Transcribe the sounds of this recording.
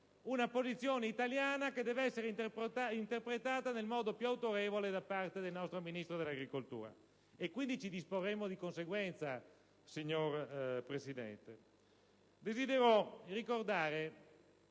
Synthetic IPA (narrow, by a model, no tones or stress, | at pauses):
unapozit̪sːjoːneit̪aljaːnaked̪ːɛːveɛsːeɾeint̪erpɾet̪aːt̪anelmɔːd̪opjuawt̪oɾeːvoled̪apːart̪ed̪elnɔst̪ɾominist̪ɾod̪elːaɡɾikolt̪ṵːɾa̰ | ekːwind̪it͡ʃid̪isporːemːod̪ikonseɡwɛnt̪sa | siɲːorpɾesid̪ɛ̰nt̪e | d̪ezid̪eɾorikord̪aːɾe